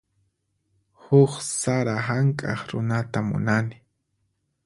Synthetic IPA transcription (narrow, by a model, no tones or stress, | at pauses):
hʊχsaɾaɦaŋkʼɑχɾʊnat̪amʊ̰nanɪ